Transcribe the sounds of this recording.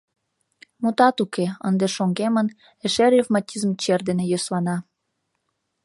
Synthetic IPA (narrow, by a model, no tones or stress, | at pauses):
mut̪ɑt̪ukeənd̪eʃoŋɡemən | eʃeɾifmɑtʲizmt͡ɕerd̪enejøslɑnɑ